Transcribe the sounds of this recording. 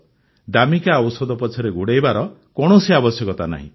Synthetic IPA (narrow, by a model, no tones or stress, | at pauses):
d̪amikaɔwsɔd̪ɔpɔt͡ʃʰɔɾeɡuɽejbaɾɔkɔɽ̃osiabɔsjɔkɔt̪ana̰ɦḭ̃